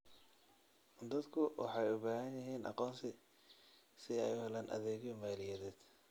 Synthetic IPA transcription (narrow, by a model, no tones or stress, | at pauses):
d̪ɐd̪kʰʊwɑ̰ħɑjʊbaːɦɐnjɐɦiːnʔɑ̰qɔːnsɪ | sɪɛjʊhɛlaːnʔɐ̰ðɛːɣɪmaːlɪjɛðɛːd̪̥